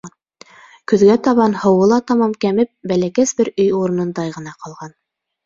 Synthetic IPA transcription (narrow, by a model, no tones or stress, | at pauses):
kɵ̆ðɡæt̪ɑβɑnhɤ̆wɤ̆lˠɑt̪ɑmɑmkæmɘp̚bælækæsbɘɾɵjuɾɤ̆nɤ̆nd̪ɑjʁɤ̆nɑqʰɑlˠʁɑn